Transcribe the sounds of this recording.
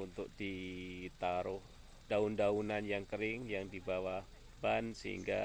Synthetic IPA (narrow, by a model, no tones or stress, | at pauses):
unt̪ʊk̚d̥it̪aɾʊh | d̥aundaunanjaŋkəɾɪŋjaŋdibawah | bansəɦḭŋɡa̰